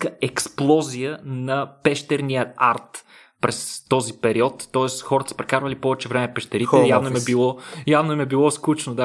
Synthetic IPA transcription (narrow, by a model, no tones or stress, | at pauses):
kəɛksplˠɔzijənɐpɛʃt̪ɛɾniəaɾt̪ | pɾɛst̪ɔzipɛɾiɔt̪ːɔɛsxɔɾət̪ə̥sə̥pɾɛkaɾvəlipɔvɛt͡ʃɛvɾɛmɛfpɛʃt̪ɛɾit̪ɛjavnoɛmɛbilˠɔjavnoɛmɛbilˠɔskut͡ʃnod̪a